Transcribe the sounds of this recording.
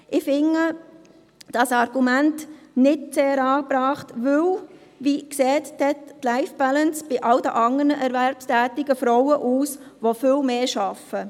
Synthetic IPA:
ʔɪfɪŋːə | d̥ɑsɑɾɡ̥umæntnɪtt͡seːɾɑːb̥ɾɑːχtʋɵw | ʋikseːttɛtːlaɪfb̥ælənsb̥ɪʔɑld̪əʔɑŋərnəʔɛɾʋɛɾpstæːtɪɡ̥əfɾɔwəʔuːsʋofɪlmeːʃɑfə

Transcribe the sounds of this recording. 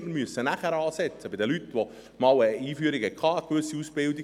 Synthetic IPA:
mənmyəsːənæχəɾɑːsɛt͡səb̥ɪdəlytːʋo | mɑwəiːfyəɾikhɛt̚kʰɑːəkʋɵsːiusb̥ɪldi

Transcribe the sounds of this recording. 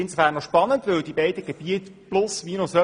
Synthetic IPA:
ɪnsofæːnɔʃpɑnəntʋʏwd̪ibeɪdəɡ̥eb̥iətplʊsʋiːnʊsœ

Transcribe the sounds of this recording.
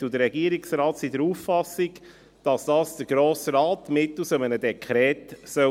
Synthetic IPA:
ud̪əɾːɛɡiəɾiksɾɑːtsidəɾuːffɑsiɡ | d̥ɑsd̥ɑːsd̥̪əɾɡ̥ɾoːsɾɑːt̪mɪtusəmənədɛkʰχɾɛːt̪sœ

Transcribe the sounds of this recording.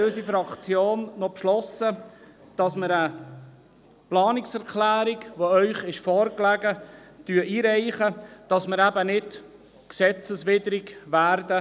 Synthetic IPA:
øːsifɾɑkt͡sjoːnːɔpʃlɔsə | d̥ɑsməɾə | plɑːnɪksɛɾkʰlæːɾɪkʋoœʏχɪʃfɔːɾklæɡətyəiːɾɛɪχəd̥ɑsməɾæbənɪt | ksɛt͡səsʋɪdəɾɪɡʋæːɾdə

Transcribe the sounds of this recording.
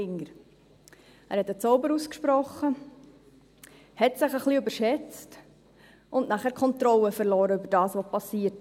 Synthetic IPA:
ɪŋəɾ | æːɾhɛtət͡sɔʊbəɾuskʃpɾɔχə | hɛtsɪχəχliʏbəɾʃɛt͡st | ʔʊndnæχæːɾkʰɔnt̪ɾɔləfəɾlɔːɾəybəɾdɑːsʋoːpɑsiːət

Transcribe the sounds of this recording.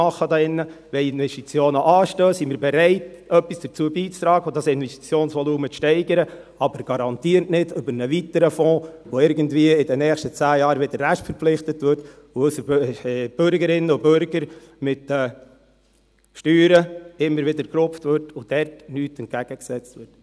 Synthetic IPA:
ɑχːəd̪ɑːɪnːə | ʋɛɪnʋɛstit͡sjoːnəʔɑːʃtøːsimɪːɾbɛɾɛɪt | œpːisd̥əɾt͡suəbiːt͡st̪ɾɑːɡəodɑsɪnvɛsti̥t͡sjoːnsʋɔluːmət͡sʃtɛɪɡəɾə | ɑbəɾɡ̥ɑɾɑnt̪iːəɾtnɪdʏbəɾnəʋit̪əɾəfɔ̃ːʋɔɪɾɡəndʋiəɪdɛnɛːχʃtət͡sæːjɑːɾʋɪd̪əɾræʃtfəɾpp͡flɪχtətvʋʏɾt | oʊsəb̥øɾɡəɾɪnːəʊbøɾɡ̥əɾ | mɪtɛː | ʃtyːɾəɪmːəɾʋɪdəɾkɾʊpftʋʏɾtʊd̥ɛɾtnyːtɛnt̚ɡ̥æɡ̥əksɛt͡stʋɪrt

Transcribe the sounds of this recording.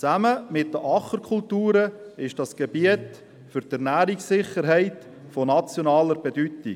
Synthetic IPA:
t͡sæməmɪtd̪əʔɑχəɾkʰʊltuːɾəɪʃd̥ɑsɡ̥ebiət | fʏɾtæɾnæːɾiksɪχəɾɦɛɪt | fonɑt͡sjonɑːləɾb̥edyti

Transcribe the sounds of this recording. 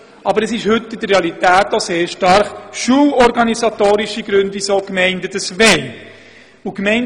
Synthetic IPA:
ʔɑbəɾɛsɪʃhʏtːɪd̥̪əɾreɑlitæːtoseːɾʃtɑɾχʃuːlɔɾɡɑnisɑtoːɾiʃiɡɾʉndʋisoːkmɛɪndədəsʋɛn | ukmɛɪn

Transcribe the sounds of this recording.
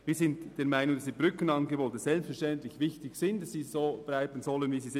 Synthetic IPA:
viːzɪntd̥eːɐmaɪnʊŋd̥aɑsːiːbʁʏkənɑnɡeboːtəsɛlpstfɛɐɾʃtɛntlɪçvɪçtɪçsɪnt̚d̥ɑsːiːzoːblaɪbənzɔlənviːziːzɪ

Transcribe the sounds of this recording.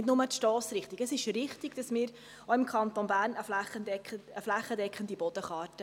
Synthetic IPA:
dnʊmət̪ʃtɔːsɾɪχt̪iɡ̥əsɪʃɾɪχt̪iɡ̥d̥ɑsmɪːɾ | ɔɪmkʰχɑnt̪onbæːɾnəflæχəɛəflæχːədɛkχənd̪ibɔd̥̪əχɑːɾtə

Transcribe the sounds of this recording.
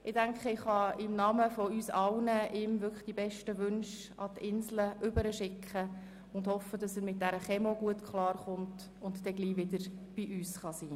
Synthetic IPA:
ɪdæŋkχəɪχhɑɪmnɑməfɔyːsɑlnəʔɪmvʏkə̥χd̥ibɛʃtəʋʏnʃ | ɑ̰tɪnsləʔʏbəɾəʃɪkχə | ʊndhɔfədɑsəɾmɪt̚d̥æɾəχɛmoɡuətkʰχlɑːrχʊnt | ʊntd̥ɛɡliːʋɪdəɾb̥iʔyːsχɑsiː

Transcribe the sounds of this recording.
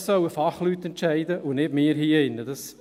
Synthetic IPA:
sœwəfɑχlyt̪ːɛntt͡ʃæɪd̪əʔʊnɪbmɪːəɾɦiːɪnːəd̥ɑs

